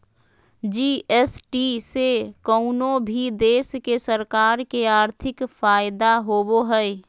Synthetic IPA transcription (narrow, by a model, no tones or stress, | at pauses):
d͡ʒiːɛsʈisekəʊnõbʱid̪eːskesəɾkaːɾkeaːɾt̪ʰɪkfaːɪd̪aɦoːboɦɛɛ